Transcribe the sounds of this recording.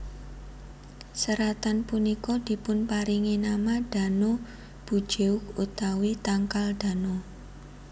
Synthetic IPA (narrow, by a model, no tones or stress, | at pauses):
səɾat̪anpunikɔd̪̥i̤pʊnpaɾiŋinamad̥a̤no | b̥ṳd̥ʒ̥eʊk̚ut̪awit̪aŋkald̥a̤no